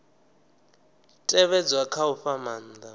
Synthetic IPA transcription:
tʼɛβɛd͡zwakʰauɸaman̩da

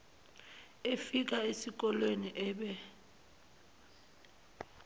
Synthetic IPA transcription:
efik̬aesik̬ɔlweniʔɛːɓɛ

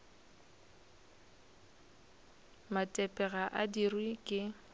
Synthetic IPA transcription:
matʼɛpʼɛɣaʔadirwikʼɪ

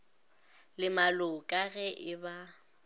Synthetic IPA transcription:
lɪmalʊkʼaɣɛʔɪba

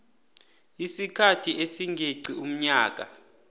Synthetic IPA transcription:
isikʰatʰiʔesiŋɡʱeǀʱium̩ɲaːk̬a

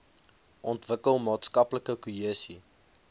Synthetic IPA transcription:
ʔɔntvəkəlˠmɑːtskɐpləkəkuɦiəsi

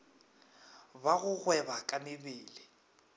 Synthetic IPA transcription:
baɣʊɣwɛbakʼamɪbɪːlɪ

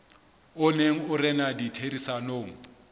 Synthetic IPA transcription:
ʊneŋ̩ʊrɛnaditʰerisanoːŋ̩

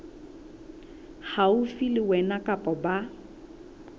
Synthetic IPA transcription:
haʊfilɪwɛnakʼapʼɔba

